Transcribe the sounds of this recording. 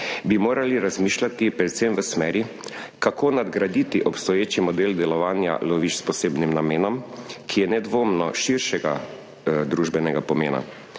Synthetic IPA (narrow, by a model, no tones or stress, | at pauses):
bimoːɾʔaliɾazmiːʃlat̪ipɾɛt̪semʋəsmɛːɾi | kakʰoːnad̪ɡɾad̪it̪iʔɔpst̪ɔjeːt͡ʃimɔd̪eːld̪ɛlɔʋaːnja̰lɔʋit͡ʃspɔseːbnimnameːnɔmkʰijɛnɛd̪ʋoːmnɔʃiɾʃɛɡa̰ | d̪ɾuʒbɛnɛɡapɔmḛːna̰